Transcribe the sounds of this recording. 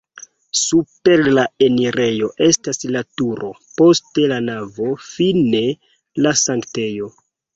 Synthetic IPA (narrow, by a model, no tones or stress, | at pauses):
supe̞ɾlae̞niɾe̞jo̞ʔe̞staslatuɾʔo̞po̞ste̞lanavo̞fine̞ | lasaŋkte̞jo̞